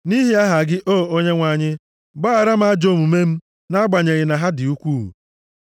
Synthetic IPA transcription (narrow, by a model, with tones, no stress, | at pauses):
ni˦ɦi˦a˦ɦa˨ɡɪ˦ʔo˦˨o˦ɲe˦ŋʷa˨ɲɪ˦ | ɡ͡ba˦a˨ɾa˦m̩˦a˦d͡ʒo˦˨mu˨me˦m̩˦ | na˦ɡ͡ba˨ɲe˨ɣɪ˨na˨ɦa˦dɪ˨u˦kʷuː˦ɦṵ˨